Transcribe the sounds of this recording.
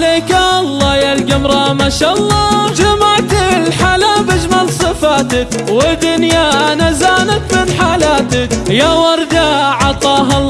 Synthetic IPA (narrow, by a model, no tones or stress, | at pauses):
leːkalˤːɑːjalɡamɾˤɑmaʃalˤːɑːd͡ʒamaʕt̪ɪlħalaːbad͡ʒmalsˤɨfaːt̪ak | wɪd̪ʊnjanazaːnakmɪnħaːlaːt̪akjawɑɾˤd̪aʕɑt̪ˤɑːɦɑ